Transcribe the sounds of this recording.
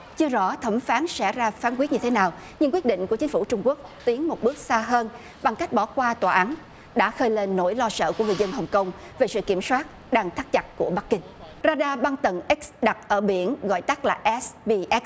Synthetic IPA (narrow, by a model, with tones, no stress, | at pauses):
t͡ɕɨ˧əzɔ̰˧˥t̪ʰə˧˩mfaː˨˦nsɛ̰˧˥zaː˧faː˨˦nkwi˦˥t̚ɲɨ˧t̪ʰe˨˦naː˨˩w | ɲɨ˧ŋkwi˦˥t̚ɗḭ̈˧˨ŋ̟ku˧˩ət͡ɕï˨˦ŋ̟fu˧˩t͡ɕʊ˧ŋ͡mku˦˥ək̚t̪i˨˦ənmo˨˩t̚ɓɨ˦˥ək̚saː˧ɦəː˧n | ɓa˨˩ŋka˦˥jk̟̚ɓɔ˧˩kwaː˧t̪waː˨˩ʔa˨˦n | ɗa̰ː˧˥xəː˧jle˧nːo˧˥jlɔ˧sə̰ː˧˨ku˧˩əŋɨ˨˩jzə˧nɦə˨˩wŋ͡mkə˧wŋ͡m | ve˨˩sɨ̰˧˨ki˧˩əmswaː˦˥t̚ | ɗaː˧ŋt̪ʰaː˦˥t̚t͡ɕa˨˩t̚ku˧˩əɓa˦˥k̚kːï˧ŋ̟ | zaː˧ɗaː˧ɓa˧ŋt̪ə˨˩nʔi˦˥k̚sɗa˨˩t̚ʔəː˧˩ɓi˧˩˨ənɣɔ̰˧˨jt̪a˦˥k̚laː˨˩ʔɛ˦˥sɓi˧ʔɛ˦˥